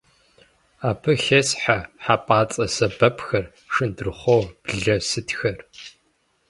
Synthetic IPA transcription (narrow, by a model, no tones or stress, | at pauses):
aːpʰɨxesħaħapʼaːt͡sʼɐsɐbɐpʰxɐr | ʂɨndɨrχʷowb̥ɮɐsɨtʰxɐr